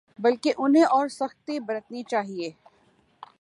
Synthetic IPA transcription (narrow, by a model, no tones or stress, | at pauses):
bɐlkeʔʊnɦẽʔɔːɾsɐxt̪ibɐɾət̪nit͡ʃaːɦieː